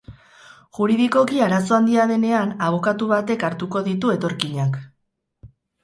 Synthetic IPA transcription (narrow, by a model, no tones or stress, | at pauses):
ʝuɾiðiko̞kiaɾaso̞and̪iaðe̞ne̞anaβ̞o̞kat̪uβ̞at̪e̞kaɾt̪uko̞ðit̪̬ue̞t̪o̞ɾkiɲak